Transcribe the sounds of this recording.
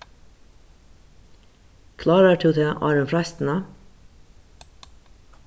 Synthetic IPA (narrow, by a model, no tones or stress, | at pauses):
kʰlɑːɾəʈ̪ʰʉːt̪ʰeːʔɑ̰ːɾʉnfɾɛst̪n̩ə